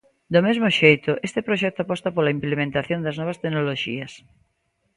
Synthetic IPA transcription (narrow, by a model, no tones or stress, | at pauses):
d̪omezmoʃejt̪oʔest̪epɾoʃɛk̚t̪oapɔst̪apolaimplemẽnt̪aθjond̪ɐznɔβ̞ɐst̪eɡnoloʃḭɐs